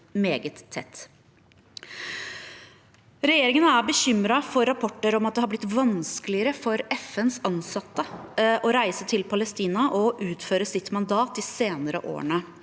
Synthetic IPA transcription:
meːɡət̪ʰːɛ̰t̪ː | ɾɛjeːɾɪŋənəæbəçʏmɾɑfɔɾɑpʰɔʈːəɾɔmɑt̪̚d̪ɛhɑɾblɪt̪ːʋɑnskəlɪəɾəfɔɾɛfɛnsɑnsɑt̪ːəʔɔɾæɪsət̪ʰɪlpʰɑləst̪iːnɑʔɔʔʉːt̪føːɾəsɪt̪mɑnd̪ɑːt̪iːseːnəɾə̰ʔo̰ːə̰ɳə

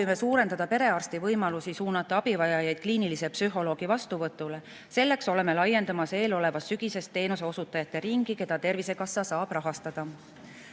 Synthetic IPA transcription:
jme̞suːɾe̞nd̪ɑd̪ɑpe̞ɾe̞ɑrst̪ivɤjmɑlusisuːnɑt̪ːˑɑɑb̥ivɑjɑjɑjd̪̥kliːnilisepsyɦo̞lo̞ːɡ̥ivɑst̪uvɤt̪ːˑule̞ | se̞lːe̞kso̞le̞me̞lɑje̞nd̪̥ɑmɑse̞ːlo̞le̞vɑsːyɡ̥ise̞st̪ːe̞ːnuseo̞sut̪ːˑɑjɑt̪ːˑe̞ɾiŋɡ̥ike̞d̪̥ɑt̪e̞rvise̞kɑsːɑsɑːb̥rɑɦɑst̪ɑd̪̥ɑ

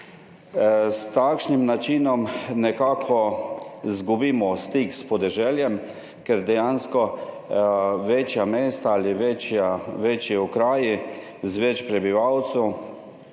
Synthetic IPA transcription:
st̪akʃnimnat͡ʃiːnɔmnɛkaːkʰɔ | zɡubiːmɔst̪iːkspɔd̪ɛʒɛːljɛm | kɛɾd̪ɛjanskɔ | ʋet͡ʃjameːst̪aaliʋet͡ʃjaʋet͡ʃjiɔkɾaːji | zʋɛt͡ʃpɾɛbiʋawt̪su

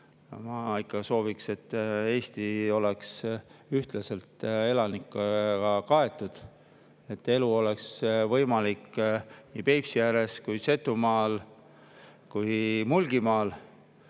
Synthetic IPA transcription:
mɑikːɑso̞ːvikse̞t̪ːe̞ːst̪io̞le̞ksyht̪lɑse̞lt̪ˑe̞lɑnikːˑɑɑkɑe̞t̪ːˑud̪̥ | e̞t̪ːe̞luo̞le̞ksvɤjmɑlikːniːpe̞jpsijæɾe̞skujse̞t̪ːumɑːl | kujmulɡ̥imɑːl

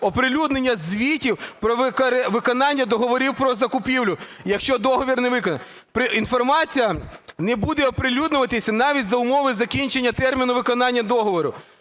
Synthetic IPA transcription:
ɔpɾɪlʲud̪ne̞nʲːɐzʲʋʲitʲiwpɾɔʋɪkɾʋɪkɔnɑnʲːɐd̪ɔɦɔʋɔɾʲiwpɾɔzɐkʊpʲiwlʲʊ | jɐkʃt͡ʃɔd̪ɔɦɔʋʲirnɛʋɪkɔnɐ̰nʲ | pɾɪinfɔrmɑt͡sʲijɐnɛbud̪ɛɔpɾɪlʲud̪nʊʋɐt̪ɪsʲɐnɑʋʲitʲzɐʊmɔʋɪzɐkʲinʲt͡ʃenʲːɐt̪ɛrmʲinʊʋɪkɔnɑnʲːɐd̪ɔɦɔʋɔɾʊ

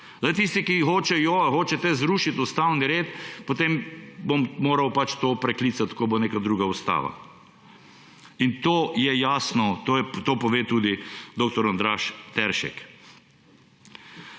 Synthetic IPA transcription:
zat̪ist̪ikixoːt͡ʃɛjoːʋaxoːt͡ʃɛt̪ɛzɾuʃit̪ʊst̪awniɾeːt̪pot̪embommoːɾɐwpat͡ʃt̪oːpɾɛklit̪sat̪koboneːkad̪ɾuːɡaust̪a̰ːʋa̰ | int̪oːjɛjaːsnɔt̪oɛt̪oːpɔʋeːt̪uːd̪id̪oːk̚t̪ɔɾɔnd̪ɾaːʃt̪ɛɾʃɛ̰k

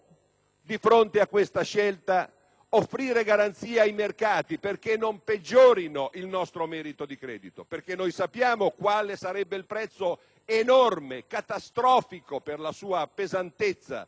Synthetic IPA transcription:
d̪ifɾont̪eakːwest̪aʃɛlt̪a | ofːɾiːɾeɡaɾant̪siːeajmerkaːt̪iperk̟enːomped͡ʒːoːɾinoʔilnɔst̪ɾomɛːɾit̪od̪ikɾɛ̰ːd̪it̪operk̟enːojsapːjaːmokwaːlesaɾɛbːeilpɾɛt̪sːo | enormekat̪ast̪ɾɔːfikoperlasuːapezant̪et̪sːa̰

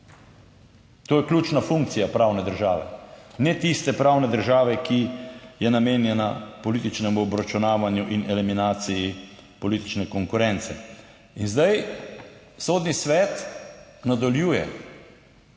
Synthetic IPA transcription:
t̪oːjɛklʲut͡ʃnafuŋkt̪sijapɾaːwnɛd̪əɾʒaːʋɛ̰nɛt̪ist̪ɛpɾaːwnɛd̪əɾʒaːʋɛkijɛnameːnjɛnapɔlit̪it͡ʃnɛmuɔbɾat͡ʃunaːʋanjuʔinɛliminaːt̪sijipɔliːt̪i̥t͡ʃnɛkɔŋkʊɾɛnt̪sɛ̰ | inzd̪aj | soːd̪nisʋɛːt̪nad̪ɔljuːjɛ̰

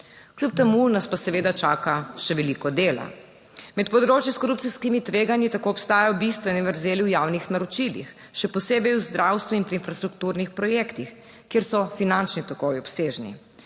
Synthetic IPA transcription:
klʲjup̚t̪ɛmunaspasɛʋeːd̪at͡ʃaːkaʃɛʋɛlikɔd̪eːla̰ | mɛt̪pɔd̪ɾoːt͡ʃjiskoɾup̚t̪iskimit̪ʋeːɡanjit̪akoɔpst̪aːjajɔbist̪ʋɛnɛʋəɾzeːliwjawnixnaɾɔt͡ʃilḭx | ʃɛpɔseːbɛjuzd̪ɾʔawst̪ʋuinpɾinfɾast̪ɾukt̪uɾnixpɾɔjekt̪ix | kjeːɾsɔfinant͡ʃnit̪ɔkoːjiɔpseːʒnḭ

